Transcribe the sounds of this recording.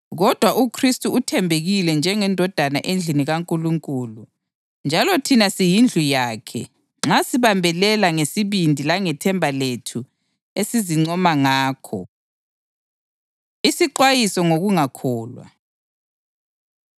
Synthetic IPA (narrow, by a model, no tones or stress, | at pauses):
ɣɔd̥ʱwaʔukʰristʼuutʰɛmbʱeɣilɛnd͡ʒʱɛŋɛndʱɔd̥ʱana̰ʔend͡ɮʱiniɣaŋkʼuluŋkʼulu | nd͡ʒʱalɔtʰinasijind͡ɮʱujaːkʰɛ̰ | ŋ͡ǁasiβambʱɛlɛlaŋesiβindʱilaŋɛtʰɛmbʱaletʰu | esiziŋ͡ǀɔmaŋaːkʰɔ̰ | isiǃwajisɔŋoɣuŋakʰɔːlwa̰